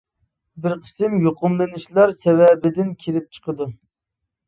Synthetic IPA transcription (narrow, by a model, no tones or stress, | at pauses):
bɪɾqʰə̥sɪmjoqʊmlˠɨnɪʃlˠɑɾsɛvɛbɪd̪ɪnkʲʰelɪp̚t͡ʃʰə̥qəd̪u